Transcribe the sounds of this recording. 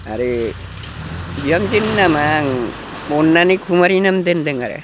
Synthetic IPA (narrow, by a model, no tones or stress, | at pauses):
a̰ɾe | d͡ʒiamd͡ʒinːamaŋ | monːanikʰumaɾinamd̪end̪eŋaɾḛ